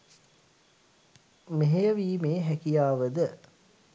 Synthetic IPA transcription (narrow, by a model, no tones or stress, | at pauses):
meɦejəʋiːmeːɦækijaːʋəd̪ə